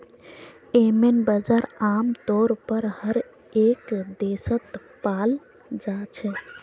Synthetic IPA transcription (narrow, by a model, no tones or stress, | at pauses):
emenbəd͡ʒaɾaːmt̪ɔːɾpəɾhəɾ | eːkd̪esət̪ | paːl | d͡ʒaːt͡ʃʰɛ